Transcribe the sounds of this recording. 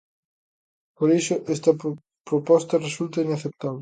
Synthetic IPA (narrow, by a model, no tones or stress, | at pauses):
poɾiʃʊʔest̪ɐ | pɾopɔst̪ɐresult̪ɐinaθep̚t̪aβle